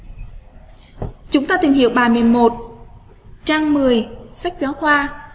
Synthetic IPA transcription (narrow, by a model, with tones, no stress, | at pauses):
t͡ɕʊ˨˦ŋ͡mt̪aː˧t̪i˨˩mhḭ˧˨əwɓaː˨˩mɨ˨˩ənmo˨˩t̚ | t͡ɕaː˧ŋmɨ˨˩əjsa˦˥jk̚zaː˨˦wxwaː˧